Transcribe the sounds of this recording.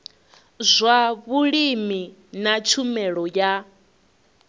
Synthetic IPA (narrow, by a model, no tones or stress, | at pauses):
zʷaβuɺiminat͡ʃʰumɛɺɔja